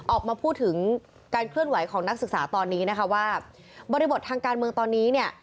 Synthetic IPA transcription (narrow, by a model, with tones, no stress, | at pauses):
ʔɔː˨˩k̚maː˧pʰuː˥˩t̪ʰːɯ˩˦ŋ | kaː˧nkʰlɯ˥˩ənwa˨˩˦jkʰɔː˩˦ŋna˦˥k̚sɯ˨˩k̚saː˩˦t̪ɔː˧nːiː˦˥na˦˥kʰa˦˥waː˥˩ | bɔː˧ɾi˧bo˨˩t̪ʰːaː˧ŋkaː˧nmɯ˧əŋt̪ɔː˧nːiː˦˥ni˥˩ə